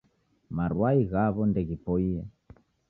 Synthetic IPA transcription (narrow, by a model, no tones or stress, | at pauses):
maɾwaiɣaβɔndɛɣipɔiɛ